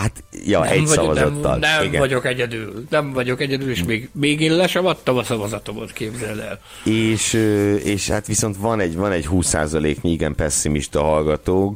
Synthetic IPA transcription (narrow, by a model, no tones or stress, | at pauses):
hat̪jɒʔɛ̰sɒvɒzɔt̪ːɒ̰lnɛiɡɛ̰ɒɟo̞kɛɟɛd̪yːlnɛɱvɒɟo̞kɛɟɛd̪yleːʃmeːɡmeːɡeːllɛʃɛmɒt̪ːɒmɒsɒvɒzɒt̪o̞mot̪keːbzɛlɛ̰l | eːʃøeːʃha̰t̪ʋiso̞nt̪vɒnɛɟvɒnɛɟɦuːsːa̰ːzɒleːkɲiiɡɛmpɛsːimiʃt̪ɒɦɒlɡɒt̪oːk